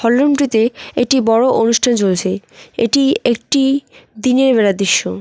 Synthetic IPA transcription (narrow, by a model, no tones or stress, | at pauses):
hɔlːoɳʈɾit̪eek̚ʈibɔɽoʔonuʃʈʰant͡ɕolt͡ɕʰeeʈiek̚ʈid̪ineɾbeɾad̪ɾiʃːo